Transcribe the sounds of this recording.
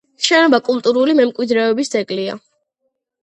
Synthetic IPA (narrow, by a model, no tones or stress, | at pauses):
ʃɛnɔbakʼulˠt̪ʼuɾulimɛmkʼwid̪ɾɛɔbist̪ʼɛkʼlia̰